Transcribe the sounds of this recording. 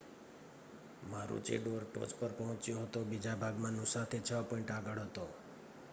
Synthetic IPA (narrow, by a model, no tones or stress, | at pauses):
maɾṵt͡ʃḛɖoɾʈo̰d͡ʒpəɾpɔɦɔ̃t͡ʃjoɦət̪obid͡ʒabʱaɡmãnũsat̪ʰet͡ʃʰəpɔiɳʈaɡəɽɦət̪o